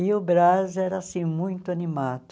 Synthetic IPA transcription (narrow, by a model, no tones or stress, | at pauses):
ɪʊbɾazɛɾɐasĩmũj̃t̪ʊɐnimad̪ʊ